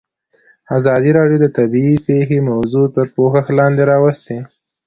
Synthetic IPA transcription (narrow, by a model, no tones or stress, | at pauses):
azɑd̪iɾɑɖjod̪ət̪abiipexemawzut̪əɾpoxaxlɑnd̪eɾɑwast̪e